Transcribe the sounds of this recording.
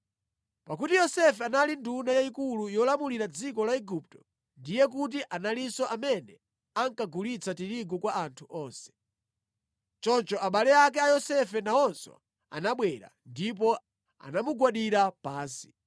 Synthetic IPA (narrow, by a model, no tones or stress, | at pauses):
pakutijɔsɛfɛanalindunajaikulujɔlamuliɾad͡zikɔlaɛɡup̚tɔ̥ | ndijɛk̬ut̬iʔanalisɔʔamɛnɛ | aŋkaɡulit͡sʰatiɾiɡɔkwaantʰuʔɔːnsɛ̥ | t͡ʃɔnt͡ʃɔʔaɓalɛak̬ɛajɔsɛfɛnaɔnsɔ̰ | a̰naɓwɛɾa̰ndip̬ɔ | a̰namuɡwaɗiɾapaːnsi̥